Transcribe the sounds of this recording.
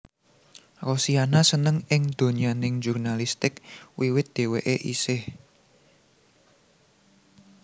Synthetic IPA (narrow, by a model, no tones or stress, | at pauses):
rosianasənəŋɪŋd̪̥o̤ɲianɪŋd͡ʒurnalist̪ɪkwiwɪt̪̚d̪̥e̤wḛʔeʔḭsɪh